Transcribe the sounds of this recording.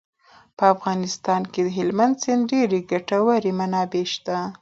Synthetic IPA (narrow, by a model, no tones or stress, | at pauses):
pəafɣɑnɪst̪ɑnked̪əɦɪlmand̪senɖeɾeɡaʈawaɾemanɑbeʃt̪a